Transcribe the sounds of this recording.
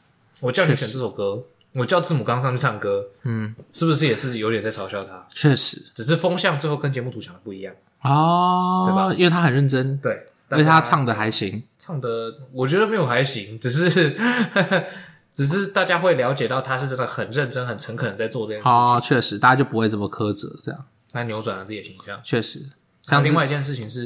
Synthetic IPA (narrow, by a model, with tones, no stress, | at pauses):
wɔ˨˩t͡ɕjɑ˥ʊni˧˥ɕɛ˨˩nt͡sɤ˥˩ɔ˨˩kɤ˥ | wɔ˨˩t͡ɕjɑ˥˧ʊt͡sɹ̩˥˩mu˨˩kɑ˥ŋs̬ɑ˥˧ŋt͡ɕʰy˥˧˩sʰa˥˩ŋkɤ˥n̩˥˩ʂɻ̩˥˩bu˩ʂ̬ɻ̩˥˩jɛ˨˩t͡s̩˥˩t͡ɕi˨˩jo˧˥ʊjɛ˨nt͡sa˥˩ɪt͡sʰɑ˧˥ʊɕjɑ˥˩ʊt̪ʰa˦t͡ɕʰɥɛ˥˩ʂɻ̩˨˧˦ʈ͡ʂɻ̩˨˩ʂ̬ɻ̩˥˩fɑ˥ŋɕjɑ˥˧ŋt͡swe˥˧xo˥ʊə˥nt͡ɕjɛ˧˥mu˥˩t͡su˨˩ɑ˧˥ŋd̪ə˩pu˥˩i˧˦jɑ˥˩ŋ | ɔ˥˩˥ | i˥ŋwe˥˩ɪt̪ʰa˥xə˨nɻə˥˩nʈ͡ʂə˦nt̪we˥˩ɪ | t̪a˥˩t̪ʰa˥t͡sʰɑ˥˩ŋd̪ə˨˩xa˧˥ɪɕi˧˥ŋt͡sʰɑ˥˩ŋd̪ə˩wɔ˨˩t͡ɕɥɛ˧˥d̪ə˧me˧˥ɪjo˨˩ʊxa˧˥ɪɕi˧˥ŋʈ͡ʂɻ̩˨˩ʂ̬ɻ̩˥˧˩ | ʈ͡ʂɻ̩˨˩ʂ̬ɻ̩˥˧t̪a˥˩t͡ɕja˥xwe˥˩ɪljɑ˧˥ʊt͡ɕjɛ˨˩t̪ɑ˥˩ʊt̪ʰa˥ʂɻ̩˥˧ʈ͡ʂə˥˧˩d̪ə˨˩xə˨˩nɻə˥˩nʈ͡ʂə˥nxə˨˩nt͡sʰə˧˥ŋkʰɤ˨˩n˧˦ŋt͡sa˥˧ɪt͡swɔ˥˧ʈ͡ʂɤ˥˧t͡ɕjɛ˥˩˨ɔ˥˩t͡ɕʰɥɛ˥˩ʂɻ̩˧˥t̪a˥˩ja˥t͡ɕjʊp̬u˦we˥˧ɪt͡smə˨˩kʰɤ˥t͡sə̰˧˦ʈ͡ʂɤ˥˧jɑ̰˥˩ŋ | nʰa˥njo˧˥t͡swa˨˩nla˧˥t͡s̩˥˩i˩˨˩i˧˥ŋi˧ɕjɑ̰˥˩ŋt͡ɕʰɥɛ˥˩ʂɻ̩˧˥˦ | ŋli˥˧wa˥ɪi˧t͡ɕjɛ˥˧nʂ̬̩˥˩t͡ɕʰi˨˩ŋʂ̬ɻ̩˥˩